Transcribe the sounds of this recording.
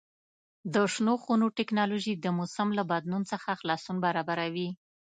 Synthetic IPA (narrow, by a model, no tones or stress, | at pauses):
d̪əʂnoxunoʈɪknɑloʒid̪əmosamlabad̪nunt͡səxaxlɑsunbaɾɑbaɾawi